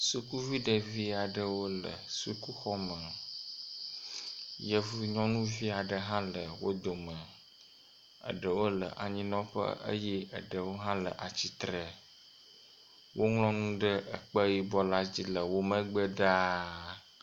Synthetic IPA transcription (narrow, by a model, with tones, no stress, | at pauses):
su˦ku˦vi˦ɖə˨vi˦a˨ɖə˦wo˦lə̰˨su˦ku˦xɔ˦mə̃˨ | jə˦vu˦ɲɔ̃˦nũ˦vi˦a˨ɖə˨ɦã˦lə˨wo̰˦d̪o˨mə̃˨ | ə̰˨ɖə˨wo˦lə̰˨ʔa˨ɲĩ˦nɔ̃˦ɸə̰˦ə̰˦jɛ˦ə̰˨ɖə˨wo˦ɦã˦lə̰˨ʔa˨t͡ɕi˦t̪ɾə˨ | wʔo˦ŋlɔ̃˦nũ˦ɖə˦ʔə˨k͡pə˦ji˦bɔ˦la˦d͡ʑi˦lə˨wo˦mə̃˦ɡ͡bə˦ɖa˦